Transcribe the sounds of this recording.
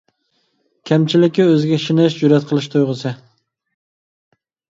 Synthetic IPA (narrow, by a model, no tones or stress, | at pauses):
kʲʰɛmt͡ʃʰilɪkʲiøzɪɡʲɛʃinɪʃd͡ʒuɾɛt̪qʰəlˠɨʃt̪ʰojʁəsɨ